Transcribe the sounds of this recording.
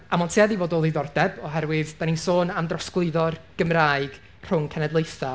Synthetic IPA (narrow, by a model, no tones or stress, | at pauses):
amɔntʰiːaðivoːdɔðiðɔrdɛbɔɦɛɾwɪðd̥aninsoːnamdrɔsklˠɨðɔrɡ̥əmraːɨɡ̥ | r̥ʊŋkʰɛnɛdlˠejθa